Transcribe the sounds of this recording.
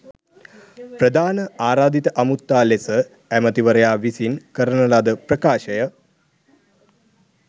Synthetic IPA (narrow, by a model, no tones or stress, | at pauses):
pɾəd̪ʱaːnəaːɾaːd̪it̪əʔɐmut̪ːaːlesə | æmət̪iʋəɾəjaːʋisinkəɾənəlad̪əpɾəkaːʃəjə